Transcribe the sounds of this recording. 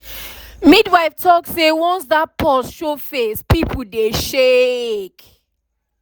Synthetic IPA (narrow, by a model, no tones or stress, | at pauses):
midwaɪftʰɔksewɔ̃nsðat̚pʰɔsʃofespipʰl̩deʃek